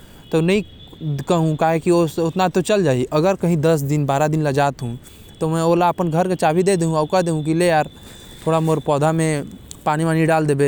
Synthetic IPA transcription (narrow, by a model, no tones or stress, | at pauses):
t̪onɐɦĩ | kɐɦũkaːɦekiosʊt̪nat̪ot͡ʃɐld͡ʒaːiʔɐɡəɾkɐɦĩd̪əs̬d̪ɪnbaːɾad̪ɪnlɐd͡ʒaːt̪ɦũ | t̪omɛ̃oːlaəpənɡʱəɾkat͡ʃaːbʱid̪ed̪eɦũaʊkad̪eɦũk̬ilejaːɾ | t̪ʰoːɽamoɾpɔːd̪ʱamẽpaːnimãniɖaːld̪eːbe